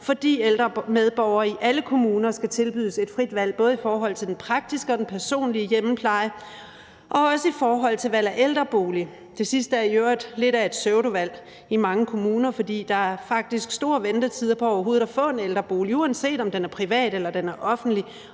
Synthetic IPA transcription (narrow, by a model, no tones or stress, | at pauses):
fɒ̽d̥ḭːeld̥ʁɐmeð̞ˠb̥ɒʊ̰ɐiʔæləkʰo̝muːnɐsɡ̥æt͡sʰe̝lb̥yðˠse̝d̥fʁid̥ʋæl̰b̥ɔ̽ːð̞̩ˠifɒːɦɒ̽l̰t͡sʰeldenpʰʁɑ̈ɡ̥̚d̥isɡ̥əɒ̽d̥enpʰæɐso̝̰ːnliəjemm̩pʰlɑ̈ɪə | ʔɒ̽ɒ̽səifɒːɦɒ̽l̰t͡sʰe̝lʋæl̰æɐʔeld̥ʁɐb̥o̝ːli | d̥e̝sisd̥əæɐjøɐd̥le̝ɾæe̝d̥søʊɾ̥o̝ʋæl̰ | imɑ̈ŋəkʰo̝muːnɐfɒ̽d̥ḭːd̥ɑ̈æɐfɑ̈ɡ̥̚d̥isɡ̥sd̥o̝ːɐʋend̥ət͡sʰiðˠɐpʰɒ̽ɒʊɐɦo̝ːð̩ˠæfɔ̰̽ːe̝neld̥ʁɐb̥o̝ːliuːænse̝̰ːd̥ɒ̽md̥enæɐpʰʁiʋɛ̰ːd̥elɐd̥enæɐʔɒ̽fn̩d̥li